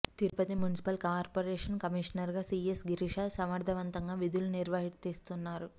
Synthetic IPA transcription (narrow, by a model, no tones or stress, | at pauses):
t̪iɾupɐt̪imjunisi̥pɐlkaːɾpoːɾeːʂɐnkɐmiʂɐnɐɾɡaːsiːesɡiɾiʂaːsɐmɐɾd̪ʱɐʋɐnt̪ɐŋɡaːʋid̪uluniɾʋɐɦiʈt̪iːst̪unːaːɾu